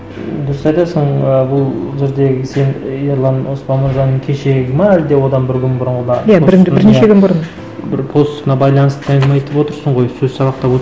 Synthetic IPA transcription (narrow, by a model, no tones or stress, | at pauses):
d̪ʊɾəsɑjt̪ɑsəɴəbʊlˠʒe̞ɾd̪e̞ɡʲɪse̞njeɾlˠɑnwo̞spɑnməɾʒɑnːəɴkʲʰe̞ʃe̞ɡʲɪmɑæld̪e̞wo̞d̪ɑnbɪɾkʲʏnbʊɾənənɑjaosɪɾneʃekʲʰʏnbʊɾən | bɪɾpʰo̞st̪ənɑbɑjlˠɑnəst̪ət̪ʰæj̪d̪mɑjet̪əpwo̞t̪əɾsəɴʁo̞jsɵzsɑβɑqt̪ɑpwot̪